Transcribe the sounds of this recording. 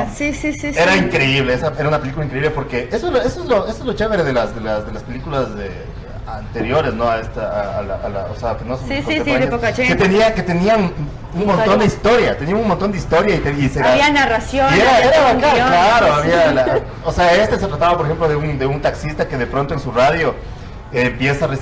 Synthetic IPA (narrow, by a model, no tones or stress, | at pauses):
sisisieɾaiŋkɾeiβleesae̞ɾaunapelikulaiŋkɾe̞iβle̞po̞ɾkeesoloesoezloesoezlot͡ʃeβeɾeðelasd̪elazd̪elaspe̞likulaze | ant̪e̞ɾjo̞ɾe̞znoaest̪aa̰ːla̰ʔala̰o̰seapenosekoeaeket̪eniaket̪e̞nian | unmont̪ond̪eist̪o̞ɾjat̪enianunmont̪o̞nd̪eist̪o̞ɾjait̪eiseɾaianarasjoeɾaeakaklaɾoaβiala | oseae̞st̪es̬e̞t̪ɾat̪aβapoɾexemplo̞ðeund̪eunt̪aksist̪ake̞ðe̞pɾo̞nt̪oensuraðjo̞ | empje̞sare